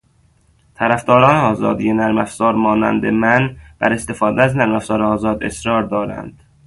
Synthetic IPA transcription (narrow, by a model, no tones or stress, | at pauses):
t̪ʰæɾæfd̪ɒːɾɒːneɒːzɒ̰ːd̪ijenæɾmæfz̥ɒːɾmɒːnæ̰nd̪emænb̥æ̰ɾe̞st̪e̞fɒːd̪eæznæɾmæfsɒːɾeɒːzɒːd̪e̞sɾɒːɾd̪ɒːɾæ̰nd̪̥